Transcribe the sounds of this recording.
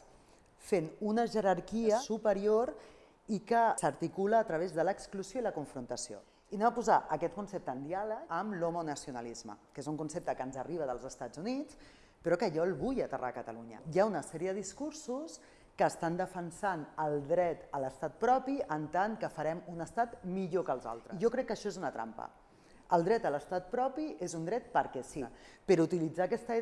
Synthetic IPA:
fenunəʒəɾaɾkiəsupəɾioɾ | ikəsəɾt̪ikuləːt̪ɾəβ̞ezðələkskluzijoiləkuɱfɾunt̪əsio̰ | inemapuzaʔəkɛt̪̚kunsep̚t̪əːnd̪ialəkəmlomonəsiunəlizmə̰kezuŋkunsep̚t̪əkənzəriβ̞əðəlˠzəst̪ad͡zunit͡s | pɾɔkəʒɔlˠβujət̪ə̰rʔa̰kət̪əluɲə̰jaunəsɛɾiəðəðiskuɾsus | kəːst̪and̪əfənsanəlˠd̪ɾɛt̪ələst̪at̪̚pɾɔpiənt̪aŋkəfəɾɛmunəst̪at̪miʎokəlˠza̰lˠt̪ɾəʒɔkɾɛkːəʃɔezunət̪ɾa̰mpə̰ | əlˠd̪ɾɛt̪ələst̪at̪̚pɾɔpiʔezund̪ɾɛt̪̚pəɾkɛsipəɾut̪ilid͡zaːkɛst̪əi

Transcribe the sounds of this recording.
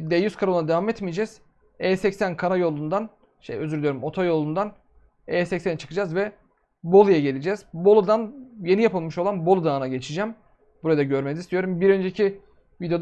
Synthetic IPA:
d̪ejyskʰaɾoad̪evamɛt̪mijd͡ʒɛz̥ | ɛːsɛcsænkʰanajo̞lˠund̪an | ʃḛjøzyɾd̪ʲijɾumo̞t̪ʰajo̞lˠund̪an | ɛːsɛcsent͡ʃʰɯ̥kʰɯd͡ʒazvɛ | bo̞lˠujaɟe̞lʲid͡ʒɛzbo̞lˠud̪anje̞nijapɯlˠmɯʃo̞lˠanbo̞lˠud̪aːnaɟe̞t͡ʃʰid͡ʒɛm | buɾad̪aɟøɾmɛzist̪ʰijo̞ɾumbiɾø̞nd͡ʒecʰi | vid̪jo

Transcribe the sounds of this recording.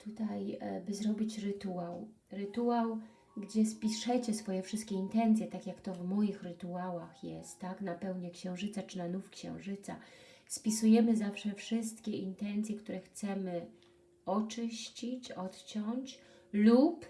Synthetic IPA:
t̪ʰut̪ajbɘzɾɔbʲit͡ɕɾɘt̪uaw | ɾɘt̪uaw | ɡd͡ʑɛspʲiʂɛt͡ɕɛsfɔjɛfʂɘst̪kʲɛint̪ɛnt̪sʲjɛt̪akʲjakt̪ɔvmɔjixɾɘt̪uawaxjɛst̪ːaknapɛwɲɛkɕɛ̃w̃ʐɘt̪sat͡ʂɘnanufkɕɛ̰̃w̃ʐɘt̪sa̰spʲisujɛmɘzafʂɛfʂɘst̪kʲɛint̪ɛnt̪sʲjɛkt̪uɾɛxt̪sɛmɘ | ɔt͡ʂɘɕt͡ɕit͡ɕɔt̪t͡ɕɔɲt͡ɕ | lup

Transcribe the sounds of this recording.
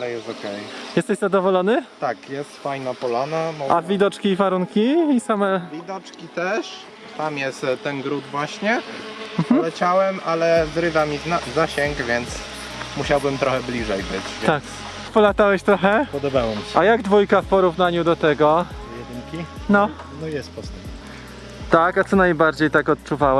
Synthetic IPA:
alɛjɛst̪ɔkɛjjɛst̪ɛɕzad̪ɔvɔlɔnɘt̪akjɛst̪fajnapɔlanamɔavʲid̪ɔt͡ʂkʲiːvaɾuŋkʲiisamɛvʲid̪ɔt͡ʂkʲit̪ɛʂ | t̪amjɛst̪t̪ːɛnɡɾud̪vwaɕɲɛm̩xmɔlɛt͡ɕawɛmʔalɛzɾɘvamʲizazaɕɛŋɡvʲjɛnt̪s | muɕawbɘmt̪ɾɔxɛblʲiʐɛjbɘ̰t͡ɕvʲjt̪ak | pɔlat̪awɛɕt̪ɾɔxɛpɔd̪ɔbawɔmʲiɕɛajaɡd̪vujkafpɔɾuvnaɲud̪ɔt̪ɛɡɔɔjɛd̪ɪŋkʲinɔ | nɔjɛst̪pɔst̪ɛ | t̪akat̪sɔnajbaɾd͡ʑejt̪akɔt̪̚t͡ʂuvawɛ

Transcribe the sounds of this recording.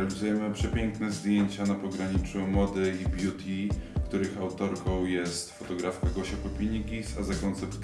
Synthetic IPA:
alʲizujɛmɘpʂɛpʲjɛŋknɛzd̪ʲjeɲt͡ɕanapɔɡɾaɲit͡ʂumɔd̪ɘibʲjut̪ʰʲikt̪uɾɘxawt̪ɔɾkɔ̃w̃jɛst̪fɔt̪ɔɡɾafkaɡɔɕapɔpʲiɲikʲisa̰zakɔnt̪sɛpt̪

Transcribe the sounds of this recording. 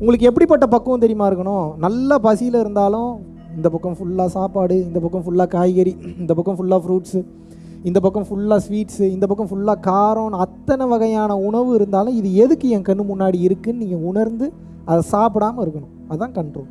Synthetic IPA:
ʊŋɡɐɭɯkːɛp̬ːɐɽipɐʈ̬ːɐpɐkːɐ̃t̪ɛɾɪjmaːɪɾɯkːɐɳõnɐlːɐpɐsɪjɪlɪɾɯnd̪aːlʊ̃ | ɪnd̪ɐpɐkːɐ̃fʊɭːaːsaːpaːɽɯɪnd̪ɐpɐkːɐ̃fʊɭːaːkaːjɣɐɾiɪnd̪ɐpɐkːɐ̃fʊɭːaːfɾuːʈsɯ | ɪnd̪ɐpɐkːɐ̃fʊɭːaːsʋiːʈsɯɪnd̪ɐp̬ɐkːɐ̃fʊɭːaːkaːɾoːnɐt̪ːɐnɐʋɐɣɐjaːnɐʊɳɐʋɯɪɾɯnd̪aːlʊ̃ɪðɯɛðɯkːɯɛ̃ŋkɐɳːɯmʊnːaːɽiɪɾɯkːɯnniːŋɡɐʊɳɐɾnd̪ɯ | ɐðɐsaːpɯɽaːmɐɪɾɯkːɐɳʊ̃ | ɐðt̪ãːkɐɳʈɾoːl

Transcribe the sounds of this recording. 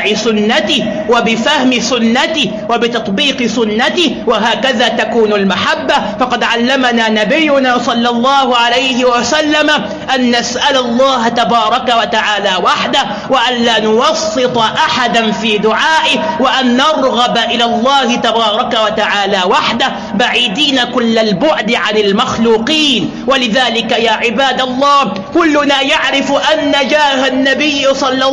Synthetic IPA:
ʕɪsʊnːat̪ɪ | wabɪfahmɪsʊnːat̪ɪ | wabɪt̪ɑt̪ˤbiːqɨsʊnːat̪ɪwaɦaːkaðaːt̪akuːnalmaħabːafɑqɑd̪ʕalːamanaːnabɪjːʊnaːsˤɑlːɑlˤːɑːhʊʕalajhɪwasalːama | ʔanːasʔalalˤːɑːht̪abɑːɾˤɑkawat̪aʕaːlaːwaħd̪a | waʔanlaːnʊwɑsːɨt̪ˤɑʔaħad̪anfiːd̪ʊʕaːʔɪhwaʔanːɑɾˤɣɑbaʔɪlaːlˤːɑːhɪt̪abɑːɾˤɑkawat̪aʕaːlaːwaħd̪a | baʕiːd̪iːnakʊlːalbʊʕd̪ʕanɪlmaxluːqiːn | walɪðaːlɪkajaːʕɪbaːd̪alˤːɑːh | kʊlːʊnaːjaʕɾɪfʔanːad͡ʒaːhanːabɪjːsˤɑlːɑ

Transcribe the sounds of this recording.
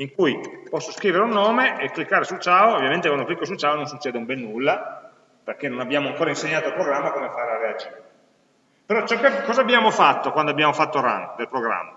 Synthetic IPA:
iŋkujpɔsːoskɾiːveɾeunːoːmeekːlikːaːɾesult͡ʃaːoovjament̪ekwand̪oklikːos̬ult͡ʃaːonõnsut͡ʃːɛːd̪eumbɛnːulːa | perkenonabjaːmoaŋkoːɾainseɲːaːt̪olpɾoɡɾamːakomefaːɾelaread͡ʒiːɾee | peɾɔt͡ʃɛkːɛkkːɔːzabjaːmofat̪ːokwand̪oabjaːmofat̪ːora̰nd̪elpɾoɡɾa̰mːa

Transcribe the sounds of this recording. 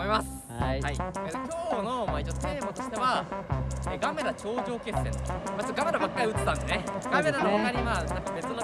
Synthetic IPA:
oimasɨ̥ | haiet̪okʲo̞ːno̞mait͡ɕot̪eːbot̪oɕi̥t̪e̞βa | eːɡame̞ɾat͡ɕo̞ːʑo̞ːke̞sːẽ̞nt̪maɡameɾabakːaɾiɯ̟t̪ːet̪ãnd̪sneɡame̞ɾanookaɲ̟iβanãŋkabe̞t͡sɨno

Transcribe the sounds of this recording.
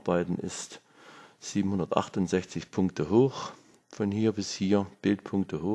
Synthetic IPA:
baɪtn̩ʔɪ̰st | z̥iːbm̩hʊndɐtʔa̰χtʊntz̥ɛçt͡sɪçpʰʊŋktəɦoːx | fɔnhiːɐbɪshiːɐb̥ɪltpʰʊŋk̚tʰəhoː

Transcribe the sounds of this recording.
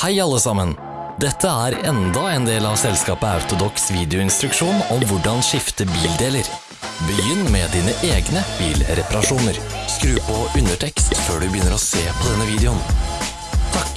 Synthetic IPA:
hæɪɑlːəsɑmən | d̪ɛt̪ʰːəæːɾɛnd̪ɑɛːnd̪eːlɑʋsɛlskɑːpəɑ̰ʉt̪ʊd̪ɔksʋiːd̪ɪʊɪnst̪ɾʉkʂuːnɔmʋʊɖɑnʃɪft̪əbiːld̪eːləɾ | bəjʏnːmɛːd̪iːnəʔeːɡnəb̥iːlɾɛpɑɾɑʂuːnəɾ | skɾʉːpɔʔʉnəʈʰɛkst̪føːɖʉbəjʏnːəɾɔseːpʰɔd̪ɛnːəʋiːd̪ɛʊn | t̪ʰɑk

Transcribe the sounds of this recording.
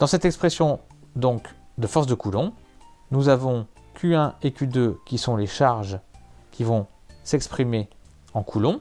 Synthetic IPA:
d̪̥ɑ̃sɛt̪ɛkspχɛsjɔ̃ | d̪ɔ̃kd̪əfɔʁs̬d̪əkulɔ̃ | nuzavɔ̃ | kʰʲyɛ̃ekʲyd̪økʲisɔ̃leʃaʁʒkʲʰivɔ̃ | sɛkspχime | ɑ̃kʰulɔ̃

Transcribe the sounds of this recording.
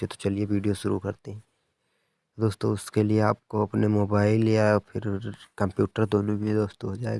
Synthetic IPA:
et̪o̥t͡ʃɐlieʋiːɖijoʃʊɾukɐɾt̪eɦɛ̃ | d̪oːst̪õʊskelieaːp̚koɐpnemoːbaːɪlijaɔpʰɪɾkɐ̃mpjuːʈəɾd̪oːnõbʱid̪oːst̪oɦod͡ʒaːḛ

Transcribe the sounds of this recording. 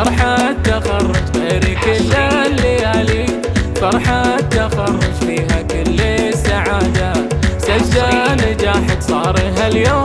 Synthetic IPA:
ɑɾˤħat̪ːaxɑrˤːɑd͡ʒɣeːɾikɪlːalːiali | fɑɾˤħat̪axɑrˤːɑd͡ʒfiːɦakɪlːsaʕaːd̪asad͡ʒːanɪd͡ʒaːħɪd̪sˤɑːɾˤiɦaljoː

